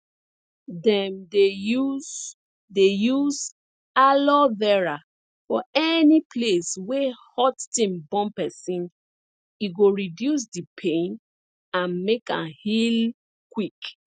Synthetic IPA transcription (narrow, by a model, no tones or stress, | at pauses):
dɛ̃mde | dejuz | alɔvɛɹa | fɔɛnipleswehɔtːĩmbɔ̃mpɛsĩn | iɡoɹidjus̬dipʰẽn | ãnmekã̰nhil | kwik